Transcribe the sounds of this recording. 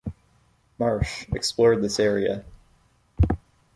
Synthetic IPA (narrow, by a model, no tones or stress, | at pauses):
mɑɹʃɨksplɔɹd̪̚ðɪsɛɹiɨ̰